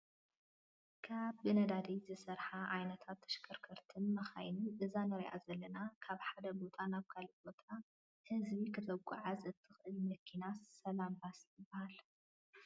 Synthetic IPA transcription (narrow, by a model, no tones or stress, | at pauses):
kʰaβbɨnɐd̪ad̪izɨsɐɾħaʕajnɐt̪ʰat̪ʰːɐ̥ʃkʰɐɾkʰɐɾt̪ʰɨnmɐxa̰jnɨʔɨzanɐɾiʔa̰zɐlːɐnakʰaβħad̪ɐbo̞t̪ʼanaβkʰalbo̞t̪ʼa | hɨzbikʰɨt̪ʰɐkʼːṵʕazʔɨt̪ʰːɨxʔɨlimɐkʰinassɐlambasjɪbːɐhal